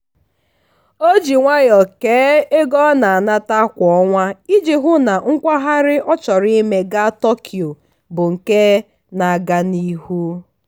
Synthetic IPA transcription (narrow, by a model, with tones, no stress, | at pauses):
o˦d͡ʒi˨ŋʷa˦jɔ˨keː˨˦e˦ɡɔ˦na˨a˨na˦ta˦kʷɔ˨ɔ˦ŋʷa˦i˦d͡ʒi˨ɦʊ˦na˨ŋ̩˦kʷa˦ɦa˦ɾɪ˦ʔɔ˦t͡ʃɔ˨ɾi˦me˨ɡa˦tɔ˦kʰi˨o˨ | bʊ˨ŋ̩˨ke˦ | na˨ɡa˦ni˦hu˦